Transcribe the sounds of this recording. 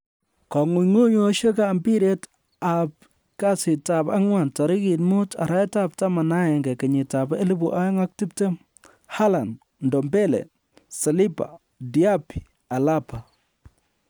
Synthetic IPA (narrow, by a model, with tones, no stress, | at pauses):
kɔ˨ŋu˨ɲŋu˦ɲu˦ʃe˦ka˦˨mbi˦ɾe˦t | a˨p̚ | ka˦sɪ˨ta˨pa˦ŋwa˨nta˨ɾɪ˦ki˨tmu˦ta̰˨ɾa˦ta˦p̚ta˦ma˨na˦jɛ˨ŋɡɛ˨kɛ˨ɲɪ˨ta˨be˦li˦bu˨ʔa˦ŋa˦k̚ti˦p̚te˦m | ha˦la˨n | ndɔ˨mbɛ˦lɛ̰˨ | sa˨li˦pa̰˨ | di˨a˦pi̥˨ | a˨la˦pa˨